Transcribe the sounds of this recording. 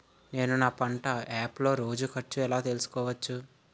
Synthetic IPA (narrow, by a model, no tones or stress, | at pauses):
ne̞ːnunaːpɐɳʈɐaːplo̞ːɾo̞ːd͡ʒukɐʈt͡ʃːuɛlaːt̪elusu̥kɔːʋɐt͡ʃːu